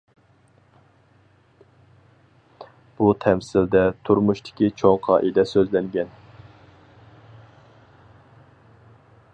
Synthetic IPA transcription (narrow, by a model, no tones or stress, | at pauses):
b̥ut̪ʰɛmsɪld̪ɛt̪ʰuɾmuʃt̪ʰɪ̥kʲit͡ʃʰoŋqʰɑ̰ːʔid̪ɛsøzlɛŋɡʲɛn